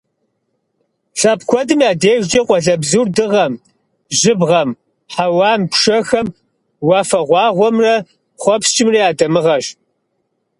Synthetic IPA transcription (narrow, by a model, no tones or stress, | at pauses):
ɬʼɐpkʷʰɔdɨmjaːdeːʒd͡ʒɐqʷʼɔɮɐbzurdɨʁɐm | ʒɪbʁɐm | ħawɑːmpʂɐxɐm | wɑːfɐʁʷɑːʁʷɔmrɐ | χʷɔpst͡ʃʼɪmriːaːdɐmɨʁɐʃ